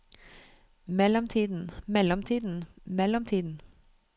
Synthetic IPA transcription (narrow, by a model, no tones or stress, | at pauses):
mɛlɔmt̪ʰiːd̪n̩mɛlɔmt̪ʰiːd̪n̩mɛlɔmt̪ʰiːd̪n̩